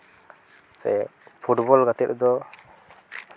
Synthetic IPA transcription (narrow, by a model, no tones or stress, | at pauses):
sɛ̰pʰuʈbɔlɡat̪ɛt̪̚d̪ɔ